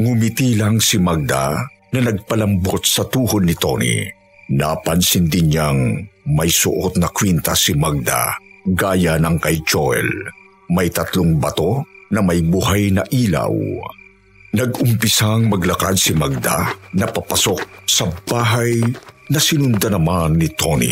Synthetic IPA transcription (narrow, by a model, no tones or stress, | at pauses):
ŋʊmit̪ilaŋsɪmaɡ̚d̪a̰ | nɐnɐɡ̚pɐlɐmbot̪̚sɐt̪uːhod̪nɪt̪o̰nḭ | na̰pɐnsɪnd̪ɪnɲaŋmɐjsʊʔot̪nɐkwint̪asɪmaɡ̚d̪a̰ɡaːjanɐŋkɐjt͡ʃoɛ̰l | mɐjt̪ɐt̪lʊŋbɐt̪onɐmɐjbuhajnɐʔiːla̰w | nɐɡʊmpɪsaŋmɐɡlɐkad̪sɪmaɡ̚d̪a̰nɐpapasok̚sɐbaːɦajnɐsɪnʊnd̪ɐnɐmanːɪt̪onḭ